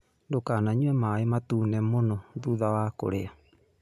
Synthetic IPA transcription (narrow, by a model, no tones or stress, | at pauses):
ndokanaɲuɛmaematunɛmonɔðuðawako̰ɾea